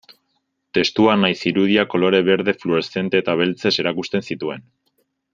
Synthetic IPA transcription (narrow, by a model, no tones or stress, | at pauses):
t̪e̞st̪uanajsiɾuð̞iako̞lo̞ɾe̞βe̞ɾðe̞fluɾe̞sθe̞nt̪e̞ːt̪aβ̞e̞lt͡se̞se̞ɾakust̪e̞nsit̪ue̞n